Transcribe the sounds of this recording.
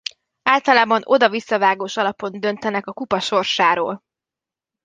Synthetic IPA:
aːlt̪ɒlaːbɒno̞d̪ɒvisːɒvaːɡoːʃɒlɒpo̞nd̪ø̞nt̪ɛnɛkɒkupɒʃo̞rʃaːɾo̰ːl

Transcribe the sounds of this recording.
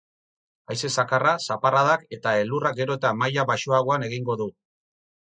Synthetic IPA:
ajse̞sakarasaparaðake̞t̪ae̞luraɡe̞ɾo̞t̪amajaβaʃuaɣ̞oane̞ɣiŋɡo̞ðu

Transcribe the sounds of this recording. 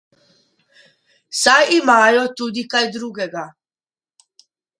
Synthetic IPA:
sajimajot̪ud̪ikajd̪ɾuɡeɡa

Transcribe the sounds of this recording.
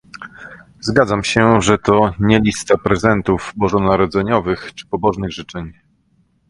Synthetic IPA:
zɡad̪zamɕɛʐɛt̪ɔɲɛlʲist̪apɾɛzɛnt̪uvbɔʐɔnaɾɔd̪zɛɲɔvɘxt͡ʂɘ̥pɔbɔʐnɘɣʐɘt͡ʂɛɲ

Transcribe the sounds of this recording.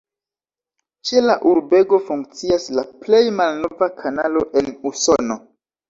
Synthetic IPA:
t͡ʃe̞laʔuɾbe̞ɡo̞fuŋk̚t͡siaslaple̞jmalno̞vakʰanalo̞ʔe̞nuso̞no̞

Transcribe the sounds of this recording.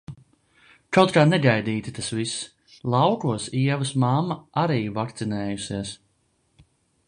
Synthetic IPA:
kawt̪̚kaːnɛɡajd̪iːt̪i̥t̪asvis | lˠɑwkuɔsiɛvɨsmamːaaɾiːvakt̪sinɛːjusiɛs

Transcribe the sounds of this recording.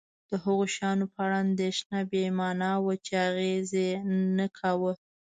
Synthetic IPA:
d̪̥əɦəɣoʃɑnopəɽɑnd̪eʃnabemɑnɑwət͡ʃeaɣezenəkʰawə

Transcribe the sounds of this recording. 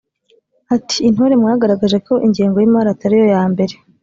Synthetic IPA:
hati̥ːn̥hoːɾemŋaːɡaɾaɡaʒe̞ko̞ʔiɲɟiːŋɡo̞jimaɾataɾijo̞jaːmbe̞ɾe̞

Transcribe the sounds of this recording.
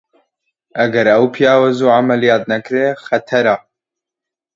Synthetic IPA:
ʔɐɡɐɾɐwpʰijaːwɐzuːʕamɐlijaːt̪̚nɐkɾeːxɐt̪ʰɐɾa

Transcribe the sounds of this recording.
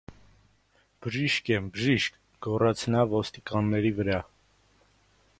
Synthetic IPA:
b̥əʒiʃkɛmbəʒiʃk | ɡɔrɑt͡sʰnɑvɔst̪ikɑnːɛɾivəɾɑ

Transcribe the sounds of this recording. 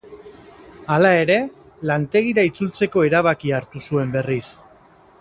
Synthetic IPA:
alae̞ɾe̞ | lant̪e̞ɣ̞iɾait͡sult͡se̞ko̞e̞ɾaβ̞akiaɾt̪usue̞mbe̞ris

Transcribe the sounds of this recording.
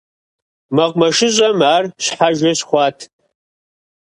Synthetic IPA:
mɐqʷʼmɐʂɪʑʼɐmaːrɕħaʒʷɐɕχʷɑːtʰ

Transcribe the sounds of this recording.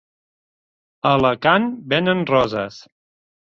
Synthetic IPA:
ələkanbenənrɔzəs

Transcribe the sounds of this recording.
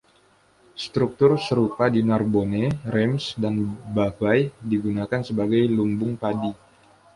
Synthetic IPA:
st̪ɾuk̚t̪ʊrsəɾupadinarboneɾɛmsdanbavajdiɡunakansəbaɡajlumbʊŋpadi

